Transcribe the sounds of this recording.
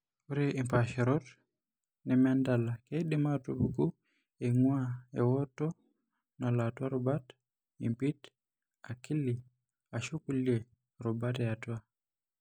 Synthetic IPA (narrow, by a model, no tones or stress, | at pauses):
uɾeʔimpaʃɛɾɔt | nɛmandalakeɗimatubuku | eŋuaḛwɔtɔ | nalatwaɾɔbat | impit | akili | aʃukulje | ɾubatɛatwa